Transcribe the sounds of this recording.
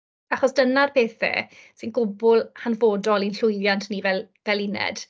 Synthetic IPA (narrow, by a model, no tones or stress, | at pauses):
aχɔsd̥ənarpʰeːθɛ̰sɪnɡʊbʊlˠhanvoːdɔlˠinɬʊjðjantʰniːvɛl | vɛlɪnɛ̰d̥